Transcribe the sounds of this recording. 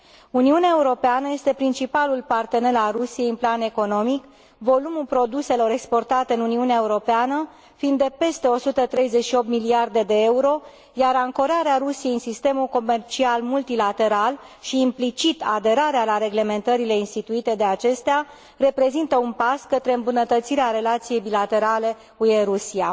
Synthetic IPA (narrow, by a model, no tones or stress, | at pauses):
uniuneaeuɾo̞peanəje̞st̪e̞pɾint͡ʃipalulpart̪e̞ne̞lalrusije̞jɨnplane̞ko̞no̞mik | vo̞lumulpɾo̞d̪use̞lo̞ɾe̞kspo̞rt̪at̪eɨnuniuneaeuɾo̞peanə | find̪ːe̞pe̞st̪e̞o̞sut̪ət̪ɾe̞jze̞t͡ʃʃio̞p̚t̪miliard̪e̞d̪e̞e̞uɾo̞ | jaɾaŋko̞ɾaɾeaɾusijejɨnsist̪e̞mulko̞me̞rt͡ʃialmult̪ilat̪e̞ɾal | ʃiːmplit͡ʃit̪ad̪e̞ɾaɾealaɾe̞ɡle̞me̞nt̪əɾile̞inst̪it̪uit̪e̞d̪e̞at͡ʃe̞st̪ea | re̞pɾe̞zint̪əunpaskət̪ɾe̞ɨmbunət̪ət̪siɾeaɾe̞lat̪sije̞jbilat̪e̞ɾale̞ | kujeɾusia